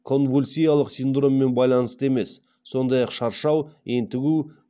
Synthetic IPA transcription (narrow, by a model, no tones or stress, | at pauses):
kʰo̞nvulʲsʲijɑlˠəqsind̪ro̞mːe̞nbɑjlˠɑnəst̪əeme̞sː | o̞nd̪ɑjɑqʃɑɾʃɑwent̪ɪɡʲu